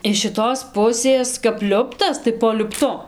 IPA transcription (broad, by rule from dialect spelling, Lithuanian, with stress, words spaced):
ɪʃ ʃʲɪˈtoːs ˈpʊsʲeːs kɐp ˈlʲʊptɐs tɐɪ poː lʲʊpˈtʊ